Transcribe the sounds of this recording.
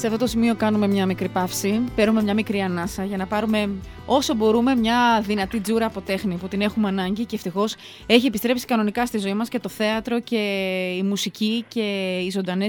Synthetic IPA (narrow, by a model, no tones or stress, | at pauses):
seɐft̪ot̪osimio̞kɐnume̞mɲɐmikɾipɐfsipe̞ɾnume̞mɲɐmikɾiɐnɐsɐʝɐnɐpɐɾume̞ | o̞so̞bo̞ɾume̞mɲɐðinɐt̪id͡zuɾɐːpo̞t̪e̞xniput̪ine̞xumeɐnɐɲɟiceːft̪ixo̞s | e̞çiepist̪ɾe̞psi̥kɐno̞nikɐst̪izo̞imɐsce̞t̪o̞θe̞ɐt̪ɾo̞ce̞imusicice̞izo̞nd̪ɐne